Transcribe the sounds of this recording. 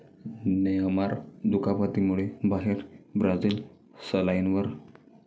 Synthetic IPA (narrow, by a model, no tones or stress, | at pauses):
neamaɾd̪ukapat̪imuɭebaɦeɾbɾad͡zil | səlainʋəɾ